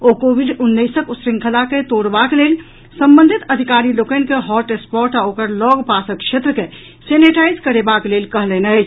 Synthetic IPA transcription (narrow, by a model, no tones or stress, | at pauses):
okobiɖunːəjsəkusɾiŋkʰəlaket̪oɽbakelel | səmbə̃nd̪ʱit̪əd̪ʱikaɾilokənĭkeɦɔʈespɔɾʈaokəɾlɔɡpasəkkʃʰet̪ɾəke | seniʈajzkəɾebaklelkəɦlɛnət͡ʃʰ